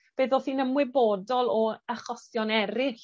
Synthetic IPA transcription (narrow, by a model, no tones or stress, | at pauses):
b̥eðɔθiːnəmwɪbodɔlˠɔəχɔsjɔnɛɾɪɬ